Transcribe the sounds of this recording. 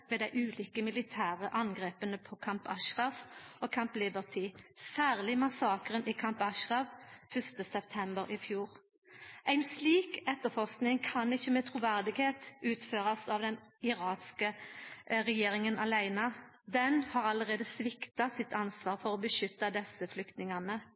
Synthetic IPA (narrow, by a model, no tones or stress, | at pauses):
ʋɛːd̪æɪʔʉːliːkəmɪlɪt̪ʰæːʁəʔɑnɡʁeːpənəpʰɔkʰɑmpɑʃʁɑfokʰɑmplɪbəʁt̪ʰiːsæːʁlɪmɑsɑːkʁənʔɪkʰɑmpɑʃʁɑʋfœst̪əsɛpt̪ʰɛmbəɾɪfjuːɾ | ʔæɪnsliːkɛt̪ːəfɔʁsknɪŋkʰɑnɪçːəmɛt̪ʰɾʊʋæʁd̪ɪɡheːt̪ʉːt̪føːʁɑsɑʋd̪ɛnɪɾɑːnskə | ʁɛjeːɾɪŋənɑlæɪnɑ | d̪ɛnhɑːʁɑləʁeːd̪əsʋɪkt̪ɑsɪt̪ːɑnsʋɑːʁfɔʁɔbəʃʏt̪ːɑd̪ɛsəflʏkt̪nɪŋɑnə